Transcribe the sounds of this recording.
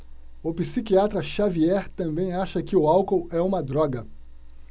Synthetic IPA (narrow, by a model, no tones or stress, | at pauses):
ʊpisikiat̪ɾɐʃaviɛɾt̪ɐ̃mbẽj̃aʃɐkɪʊawkowɛũmɐd̪ɾɔɡɐ